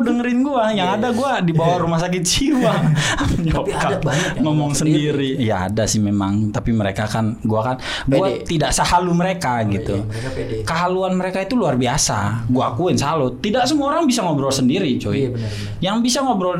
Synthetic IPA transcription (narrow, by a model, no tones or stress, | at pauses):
dəŋəɾɪnɡuajaŋadaɡuadibawaɾumahsak̬ɪt̪̚t͡ʃiwa | ɔp̚kap̚ŋɔmɔŋsəndiɾija̰ːdasɪhmemaŋt̪apiməɾekakanɡuakan | ɡuaidaʔsəhaluməɾekaɡit̪u | kəɦaluanməɾekait̪uluarbiasa̰ɡuakuɪnsalot̪idak̚səmuaoɾaŋbisaŋobəɾosəndiɾit͡ʃoi | jaŋbisaŋobəɾo